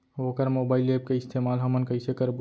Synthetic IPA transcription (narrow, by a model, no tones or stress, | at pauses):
oːkəɾmoːbaːɪlep̚keɪst̪ʰeːmaːlɦəmənkəɪsekəɾb